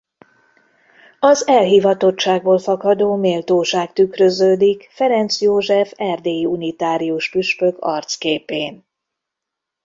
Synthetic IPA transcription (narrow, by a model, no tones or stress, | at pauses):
ɒzɛlɦiːvɒt̪o̞t͡ʃːaːɡ̚boːlfɒkɒd̪oːmeːlt̪oːʃaːkt̪ykrø̞zøːd̪ikfɛɾɛnt̪sjoːʒɛfɛrd̪eːjiunit̪aːɾiuʃpyʃpøkɒ̰rt̪skeːpeːn